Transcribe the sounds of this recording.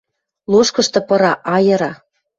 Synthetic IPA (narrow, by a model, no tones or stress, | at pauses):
luʃkɤ̆ʃt̪ɤ̆pɤ̆ɾɑʔɑjɤ̆ɾɑ